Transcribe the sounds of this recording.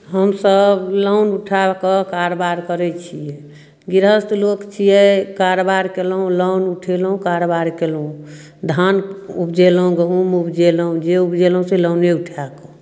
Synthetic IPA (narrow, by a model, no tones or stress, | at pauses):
ɦəmsəbləʊnuʈʰakɔkaɾobaɾkəɾɛt͡ʃʰijɛ | ɡiɾəst̪lokt͡ʃʰijɛkaɾobaɾkelɦũlənuʈʰelɦũkaɾobaɾkelɦũ | d̪ʱanupd͡ʒeləɦũɡəɦũmupd͡ʒeləɦũd͡ʒeupd͡ʒeləɦũseləʊneuʈʰakɔ